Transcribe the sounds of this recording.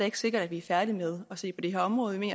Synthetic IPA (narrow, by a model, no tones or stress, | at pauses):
je̝ɡ̥se̝ɡ̥ɐɾ̥æd̥ʋiæɐfæɐd̥imeð̞ˠɒ̽se̝̰ːpʰɒ̽d̥e̝ɦḛɐɒ̽mʁɔ̽ːð̞̩ˠimḛːn